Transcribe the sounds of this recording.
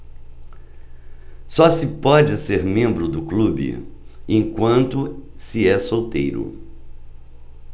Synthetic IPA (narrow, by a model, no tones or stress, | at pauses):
sɔsɪpɔd͡ʒɪseɾmẽmbɾʊd̪ʊklubɪ̰ẽjkwɐ̃nt̪ʊsɪɛsowt̪ḛjɾʊ̰